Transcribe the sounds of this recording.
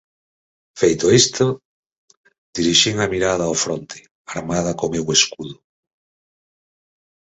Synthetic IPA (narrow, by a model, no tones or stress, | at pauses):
fejt̪oest̪o | d̪̥iɾiʃiŋamiɾað̞aofɾont̪ʰe̥ | aɾmað̞ɐkomeweskuðʊ